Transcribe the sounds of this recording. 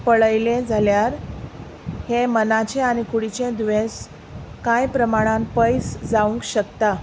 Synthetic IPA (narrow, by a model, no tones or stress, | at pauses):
pəɭəjlẽd͡zʱaljaɾ | hemənat͡ɕẽañikuɽit͡ɕẽd̪ʋẽs | kajpɾəmaɽ̃ãmpəjsd͡zaũŋkɕəkt̪a